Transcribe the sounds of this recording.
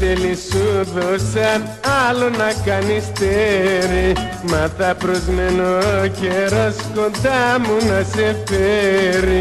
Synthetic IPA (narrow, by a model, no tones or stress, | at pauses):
t̪elisuðosa | alonakanist̪eɾi | maθapɾozmenokeɾoskõnt̪amunasefeɾi